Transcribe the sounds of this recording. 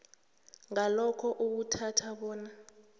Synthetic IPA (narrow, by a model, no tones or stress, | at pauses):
ŋalɔkʰɔʔuk̬utʰatʰaɓɔːna